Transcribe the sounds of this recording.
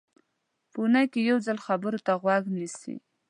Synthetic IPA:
pəunajkejawd͡zalxabəɾot̪aɣwaɡnisḭ

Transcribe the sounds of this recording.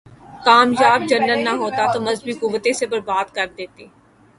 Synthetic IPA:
kaːmjaːb̚d͡ʒɐnːəlnaɦoːt̪at̪omɐzbikʊʋət̪ẽsebɐɾbaːd̪kɐɾd̪eːt̪eː

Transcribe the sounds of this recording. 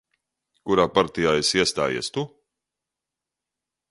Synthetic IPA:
kuɾaːpaɾt̪ijaːesiɛst̪a̰ːjḭɛst̪u

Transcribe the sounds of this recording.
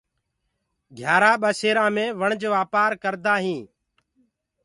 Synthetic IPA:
ɡʱjaːɾaːɓəseːɾãːmẽːʋəɳd͡ʒʋaːpaːɾkəɾd̪aːɦĩː

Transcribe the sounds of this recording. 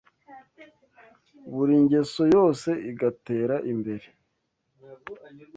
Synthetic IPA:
βuɾiɲɟe̞so̞jo̞ːse̞ʔiɡate̞ːɾaʔimbe̞ɾe

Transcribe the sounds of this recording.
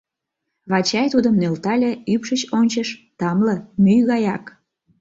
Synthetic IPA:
βɑt͡ɕɑjt̪ud̪əmnølt̪ɑlʲeypʃət͡ɕonʲt͡ɕəʃt̪ɑmləmyjɣɑjɑk

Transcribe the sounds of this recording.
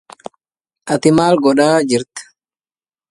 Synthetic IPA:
ʔɐt̪ɪmaːlɡɔᶑaːd͡ʒɪɾt̪

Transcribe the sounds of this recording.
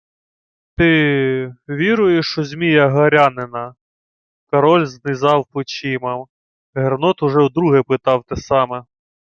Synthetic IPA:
t̪ɪ | ʋʲiɾʊjeʃt͡ʃɔzʲmʲijɐɦɐɾʲɑnɪnɐ | kɐɾɔlʲznɪzɑwpɔt͡ʃimɐm | ɦernɔt̪ʊʒɛwd̪ɾuɦɛpɪt̪ɑwt̪ɛsɑmɛ

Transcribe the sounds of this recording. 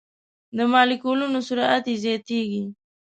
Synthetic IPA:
d̪əmɑlikolunosʊɾaat̪ezjɑt̪eɡi

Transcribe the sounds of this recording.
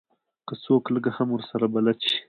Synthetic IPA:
kəsoːkləɡahamwəɾsaɾabalat̪ʃi̥

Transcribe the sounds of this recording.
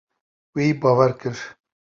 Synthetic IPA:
wiːbɑːwɛɾkɨɾ

